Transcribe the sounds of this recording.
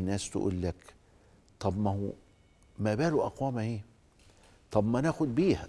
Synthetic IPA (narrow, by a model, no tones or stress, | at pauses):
nːæːst̪ʊ̰ʔṵːlːæk | t̪ˤɑbmæhu | mæːbæːluʔɑqwæːmæheː | t̪ˤɑbmænæxʊd̪̚biːhæ